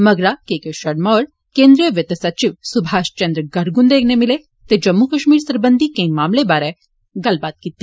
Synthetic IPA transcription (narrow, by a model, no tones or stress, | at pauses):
mɐɡɾakeːkeʃɐɽmɔːɾ | kẽːnd̪ɾijəʋjet̪ɐsɐt͡ʃiʋsubʱaːʃt͡ʃɐ̃nd̪ɾəɡɐɾɡund̪eːɡnemɪle | t̪ed͡ʒɐmːukɐʃmiːɾsɐɾbənd̪ʱikẽĩmaːmlebaːɾɛ | ɡɐlbaːt̪̚kit̪ːi